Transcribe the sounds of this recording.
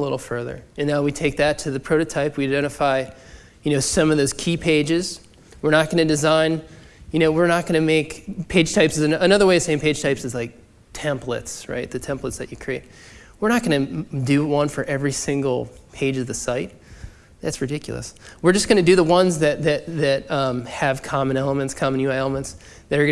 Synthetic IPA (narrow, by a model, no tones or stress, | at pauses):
əlɪɾl̩ˠfɜ˞ðə̰˞ɨ̃nnaʊwitʰeɪk̚ðɨtʰɨðɨpʰɹ̥oʊɾɨtʰaɪpwiaɪdɛ̃ɾ̃ɨfaɪ | jɨñoʊsʌ̃mʌvðoʊz̥kʰipʰeɪd͡ʒɪz̥ | wɨɹnət̚ɡ̥ʌñɨdɨzãɪ̃n | jɨñoʊwɪɹnət̚ɡ̥ʌñɨmeɪkpʰeɪdʒ̥tʰaɪpsɨzɨənʌðə˞weɪɨ̥sẽɪɪ̃mpʰeɪd̥ʒ̥tʰaɪpsɨzlaɪk̚ | tʰɛ̃mplɨ̰tsɹa̰ɪt̪̚ðɨtʰɛ̃mplətsðɨt͡ʃɨkʰɹ̥ieɪt̚ | wɨɹnət̚ɡ̥ʌnɨdɨwʌ̃nfə˞ʔɛvɹisɪ̃ŋɡl̩ˠpʰeɪd͡ʒʌvðɨsaɪt̚ | ðætsɹɨdɪkʰjl̩ˠə̰swɨɹd͡ʒʌsɡ̥ʌñɨdɨðəwʌ̃nzðɨt̪̚ðɨt̪̚ðɨt̚ʌ̃mɨv̥kʰɑmɨ̃nɛlˠəmɨ̃ntskʰɑmnjʉɛlˠəmə̃nts | ðɨɾə˞